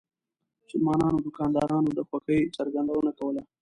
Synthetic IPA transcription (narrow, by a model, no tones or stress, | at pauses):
sʊlmɑːnɑːnod̪ʊkɑːnd̪ɑːɾɑːnod̪əxwaxəjt͡sɐɾɡɐnd̪awənakawəla